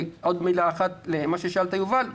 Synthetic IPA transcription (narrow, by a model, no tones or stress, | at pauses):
ʔod̪milaːχat̪lemaʃeʃalt̪ajuval